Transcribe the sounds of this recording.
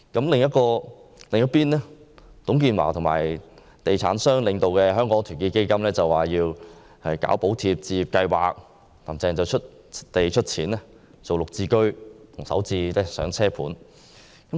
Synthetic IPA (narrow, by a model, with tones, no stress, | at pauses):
kɐ˨˥mlɪ˨ŋjɐ˥t̚kɔː˧lɪ˨ŋjɐ˥t̚piː˥nɛ˥ | t̪ʊ˨˥ŋkiː˧nwa̰ː˨˩t̪ʰʊ˨˩ma̰ː˨˩j | t̪e˨jt͡sʰa̰ː˨˥nsœː˥ŋlɪ˨ŋt̪o˨wkɛː˧ɦœː˥ŋkɔː˨˥ŋt̪ʰyː˨˩ŋkiː˧ke˥jkɐ˥mlɛː˥t͡sɐ˨wːaː˨˩jiː˧w | hɐ˨jka̰ː˨˥wpo˨˥wt̪ʰiː˧p̚t͡siː˧jiː˨˩p̚kɐ˧jwa̰ː˨k̚ | t̪aː˨˩mt͡sɛː˨˩ŋt͡sɐ˨wt͡ʃʰɵ˥t̚ | t̪e˨jt͡ʃʰɵ˥t̚t͡sʰiː˨˥nɛ˥ | t͡so˨wlʊ˨k̚t͡siː˧kɵ˥ɥt̪ʰʊ˨˩ŋsɐ̰˨˥wt͡siː˧lɛː˥sœ̰ː˨˥ŋt͡sʰɛː˥pʰuː˨˥n | kɐ˨˥m